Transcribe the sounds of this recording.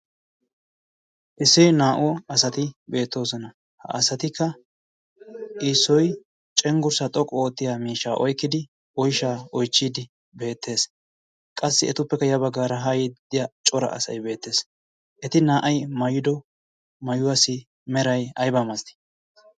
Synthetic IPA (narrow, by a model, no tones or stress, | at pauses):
ʔɪsːɪjnaːʔʊɐsɐt̪ɪbe̞ːt̪ːo̞ːsɔnɐ | hɐ̰ʔɐsɐt̪ɪkʰːɐ | ʔiːsːɔj | t͡ʃʼɛŋɡʊɾsɐt̪ʼɔkʼːɔoːt̪ːɪjaːmiːʃːaːʔɔjkːɪd̪ɪ | ɔjʃaːɔjt͡ʃːiːd̪ɪ | be̞ːt̪ʰːe̞ːs | kʼɐsːɪɛt̪ʊpːɛkːɐjɐbɐɡaːɾɐɦɐjɪd̪̥ɪjat͡ʃʼɔɾɐ̰ʔɐ̰sɐ̰jbe̞ːt̪ːe̞ːs | ʔɛt̪ɪnaːʔɐjmɐjɪd̪ɔ | mɐjʊwɐsɪ | mɛɾɐjɐjbamɐst̪ɪ̥